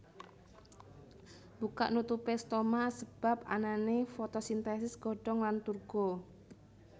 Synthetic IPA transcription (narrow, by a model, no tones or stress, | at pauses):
b̥uka̰ʔnut̪upest̪omasəb̥a̤p̚a̰nanefot̪ɔsint̪ɛsɪsɡ̥ɔ̤ɖ̥ɔŋlant̪urɡ̥o